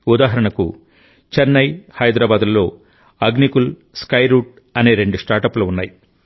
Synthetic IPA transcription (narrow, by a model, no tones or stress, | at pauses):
ud̪aːɦɐɾɐɳɐkṵ | t͡ʃɐnːɐjhɐjd̪ɾaːbaːd̪ulːo̞ː | ɐɡnikul | skɐjɾuːʈ̚ | ɐne̞ːɾe̞ɳɖusʈaːɾʈɐpluunːaːji